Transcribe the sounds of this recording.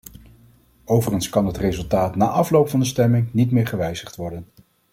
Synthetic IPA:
owvərχənskɑnɦətrejzɵlˠtaːtnaːʔɑflowpfɑndəstɛmɪŋnitmɪːɹχəʋɛjzəχtʋɔɹdən

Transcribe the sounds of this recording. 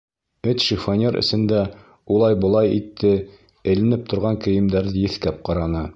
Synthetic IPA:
ɘt̪ʃifonʲeɾʔɘ̰̆sɘ̆nd̪æ | ulˠɑjbɤ̆lˠɑjit̪ʰːɘ | ɘ̆lɘ̆nɘp̚t̪ŏɾʁɑŋkɘ̆jɘ̆md̪æɾðɘjɘ̆θkæp̚qɑɾɑnɤ

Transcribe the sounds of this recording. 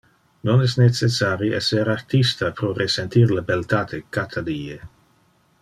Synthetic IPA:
nonɛsnet͡sesaɾiɛseɾart̪ist̪apɾoresent̪irlabelt̪at̪ʰekat̪ʰaliːe

